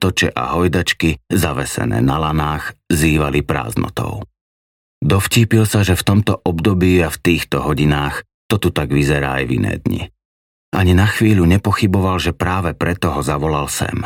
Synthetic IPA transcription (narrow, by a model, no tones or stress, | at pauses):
t̪ɔt͡ʃɛ̰ʔa̰ɦɔjd̪at͡ʃkizaʋɛsɛ̰nɛ̰ːnalanaːxziːʋalipɾa̰ːznɔ̰t̪ɔ̰ʊ | d̪ɔfciːpilsaʒɛft̪ɔmt̪ɔʔɔbd̪ɔbiːaft̪iːxt̪ɔɦɔɟinaːx | t̪ɔt̪ut̪aɡʋizɛɾa̰ːa̰jvḭnɛ̰ːd̪ɲḭ | ʔaɲinaxʋiːʎuɲɛpɔxibɔʋalʒɛpɾaːʋɛpɾɛt̪ɔɦɔzaʋɔlalsɛ̰m